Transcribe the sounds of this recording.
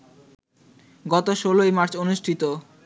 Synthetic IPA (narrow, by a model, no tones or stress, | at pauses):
ɡɔt̪oʃolojmaɾt͡ɕonuʃʈʰit̪o